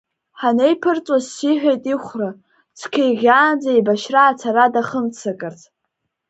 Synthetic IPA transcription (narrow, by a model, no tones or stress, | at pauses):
ħanejpʰɨrt͡sʼazsiħʷᶣejtʼiχʷra | t͡sʷʰkʲʰejɣʲaːnd͡zajbaʃraːt͡sʰaɾadaχəmt͡sʰakʼɨrt͡sʼ